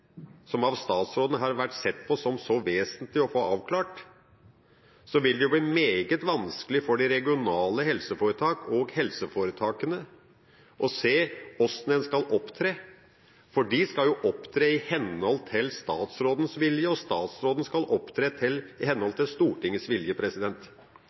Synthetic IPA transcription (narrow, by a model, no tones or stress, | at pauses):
sɔmɑʋst̪ɑːt̪sɾoːd̪nəɦɑɾʋæʈːsɛt̪ːpʰɔsɔmsɔʋeːsənt̪lɪɔfoːɑːʋkʰlɑːʈ | sɔʋɪld̪ɛjʊbliːmeːɡət̪ʋɑnskəlɪfɔɖɪɾɛɡɪʊnɑːləhɛlsəfoːɾət̪ʰɑːkɔɡhɛlsəfoːɾət̪ʰɑːkənə | ʔɔseːɔst̪nənskɑlʔɔpːt̪ʰɾeː | fɔɖɪskɑljʊʔɔpːt̪ʰɾeːɪhɛnhɔlt̪ʰɪlst̪ɑːt̪sɾoːd̪n̩sʋɪljəɔst̪ɑːt̪sɾoːd̪ən̩skɑlɔpt̪ʰɾeːt̪ʰɪlɪhɛnhɔlt̪ʰɪlst̪uːʈɪŋːəsʋɪljəpʰɾɛsɪd̪ɛnt̪